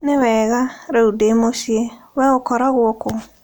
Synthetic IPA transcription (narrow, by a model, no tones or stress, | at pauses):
newɛːɣaɾaudeːmoʃiewɛokɔɾaɣwɔko